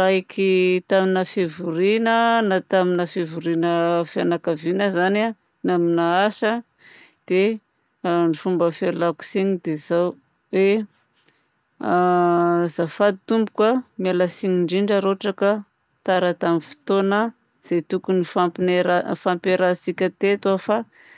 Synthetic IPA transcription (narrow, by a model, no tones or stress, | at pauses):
ɾaikʰit̪aminafevuɾinənat̪aminafevuɾinəfjanakavinəzana | naminaasə | d̪̥e | nifumbəfalaku̥siɲid̪ezaw | we | zafad̪̚it̪umbukamialasiɲiɳɖ͡ʐiɳɖ͡ʐaɾoʈ͡ʂakə | t̪aɾat̪aminfi̥t̪onə | z̥et̪ukunifampineɾafampeɾasikʲət̪et̪uafa